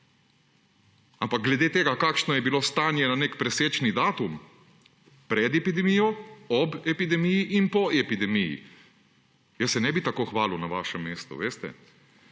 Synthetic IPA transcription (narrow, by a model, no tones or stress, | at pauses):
ampak̚ɡlɛd̪eːt̪eːɡakaːkʃnɔjɛbiloːst̪aːnjɛnanekpɾɛseːt͡ʃnid̪aːt̪um | pɾɛd̪ɛpid̪ɛmijɔɔbɛpid̪ɛmijiʔinpɔɛpid̪ɛmijḭ | jəsːɛnɛbit̪akoːxʋaːlunaʋaːʃɛmːeːst̪ṵʋeːst̪ɛ̰